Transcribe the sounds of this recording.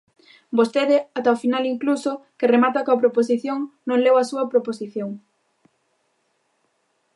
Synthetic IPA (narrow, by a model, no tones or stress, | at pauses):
bost̪eðɪat̪aofinaliŋklusokeremat̪ɐkɐpɾopos̬iθjoŋnõŋlewɐsuɐpɾoposiθjoŋ